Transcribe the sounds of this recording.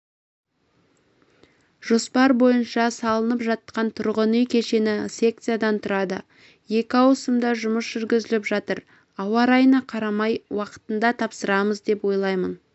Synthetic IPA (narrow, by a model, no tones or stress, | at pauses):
ʒ̥o̞spɑɾbo̞jənʃɑsɑlˠənəpʒɑt̪ːqɑnt̪ʰʊɾʁənijkʲʰe̞ʃe̞nɪsʲe̞k̚t̪sɨjad̪ɑnt̪ʰʊɾɑd̪ə̰ | je̞kʲɪɑwəsəmd̪ɑʒʊməsʒ̥ʏɾɡʲɪzɪlɪpʒɑt̪əɾ | ɑwɑɾɑjənɑqʰɑɾɑmɑjwɑqə̥t̪ənd̪ɑt̪ʰɑpsəɾɑməzd̪e̞pwo̞jlˠɑjmən